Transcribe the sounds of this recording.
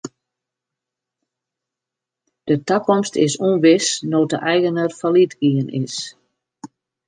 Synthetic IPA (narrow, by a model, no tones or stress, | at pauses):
d̥ətakɔmstɪsuənʋɪsnoːtə̰ʔɛjɣənərfalitɡiənɪ̰s